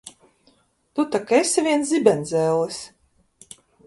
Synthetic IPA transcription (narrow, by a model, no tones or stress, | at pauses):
t̪ut̪akesʲivʲiɛnszʲibʲɛnd̪zʲɛːlˠɨs